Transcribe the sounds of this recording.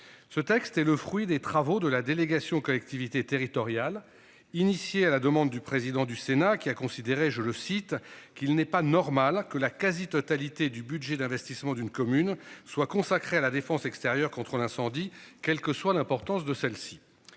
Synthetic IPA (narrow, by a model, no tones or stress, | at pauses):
sət̪ɛkst̪ɛləfχɥid̪et̪χavod̪əlad̪eleɡasjɔ̃kɔlɛk̚t̪ivit̪et̪eʁit̪ɔʁjal | inisjealad̪əmɑ̃d̪ːypχezid̪ɑ̃d̪ysenakʲiakɔ̃sid̪eʁeʒələsit̪kʲilnɛpanɔʁmalkəlakazit̪ɔt̪alit̪ed̪ybyd̪ʒɛd̪ɛ̃vɛst̪ismɑ̃d̪ynkɔmynswakɔ̃sakχealad̪efɑ̃sɛkst̪eʁjœʁkɔ̃t̪χəlɛ̃sɑ̃d̪ikʲɛlkəswalɛ̃pɔʁt̪ɑ̃sd̪əsɛlsi̥